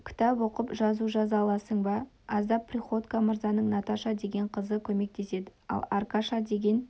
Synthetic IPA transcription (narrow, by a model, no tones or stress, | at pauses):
kʲʰɪ̥t̪ɑpwo̞qəpʒɑzuʒɑzɑlˠɑsəɴbɑ | ɑzd̪ɑpːrʲiχo̞t̪kaməɾzɑnəɴnɑt̪ɑʃɑd̪e̞ɡʲe̞ɴqʰəzəkʲʰɵme̞k̚t̪e̞se̞d̪ɪɑ̰lˠɑɾkɑʃɑd̪e̞ɡʲe̞n